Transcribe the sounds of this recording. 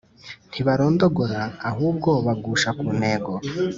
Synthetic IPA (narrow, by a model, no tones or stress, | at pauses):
n̥tʰiβaɾo̞ːndo̞ɡoɾaːɦuːbɡo̞βaɡuːʃakuːne̞ːɡo